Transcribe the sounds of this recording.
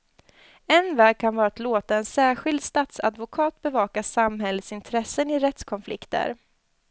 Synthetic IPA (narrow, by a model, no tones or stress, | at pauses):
ɛnvɛːɡ̚kʰanvɑːɾat̪loːt̪aɛnsæːɧɪld̪st̪at̪sa̰d̪vʊkʰɑːt̪̚bɛvɑːkasamhɛlːət̪sɪnt̪ʰɾɛsənɪɾɛt̪skʰɔnflɪ̰kt̪ə̰ɾ